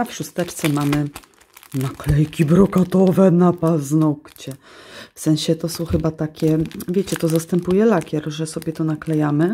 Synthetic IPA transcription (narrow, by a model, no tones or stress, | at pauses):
afʂust̪ɛt͡ʂt̪sɛmamɘ | naklɛjkʲibɾɔkat̪ɔvɛnapaznɔkt͡ɕɛ | fsɛ̃ñɕɛt̪ɔsɔ̃w̃xɘbat̪akʲɛvʲjɛt͡ɕɛt̪ɔzast̪ɛmpujɛlakʲɛɾʐɛsɔbʲjɛt̪ɔnaklɛjamɘ